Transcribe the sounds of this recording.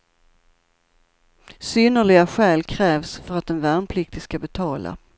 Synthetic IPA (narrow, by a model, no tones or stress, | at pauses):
syːnːəɭɪɡaɧɛːlkʰɾɛːvsfœɾat̪̚d̪ɛnvæɳpʰlɪk̚t̪ɪskabɛt̪ʰɑːla̰